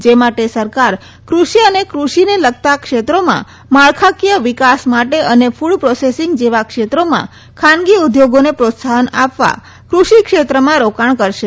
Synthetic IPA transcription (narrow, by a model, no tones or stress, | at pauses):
d͡ʒemaʈesəɾkaɾ | kɾuʃiənekɾuʃineləɡ̚t̪akʃet̪ɾomã̰ | maɭkʰakjəʋikasmaʈeʔənefuɭpɾosesɪŋɡd͡ʒeʋakʃet̪ɾomã̰ | kʰanɡiud̪joɡonepɾot̪saɦənapʋa̰ | kɾuʃikʃet̪ɾəmãɾokaɳkəɾʃe